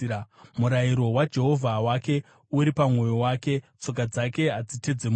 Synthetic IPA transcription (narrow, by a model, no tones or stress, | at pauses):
muɾaiɾo̞wad͡ʒe̞ɦo̞vʱawake̞ | uɾipamŋo̞jo̞wake̞ | t͡so̞k̬ad͡zake̞ɦad͡zite̞d͡zem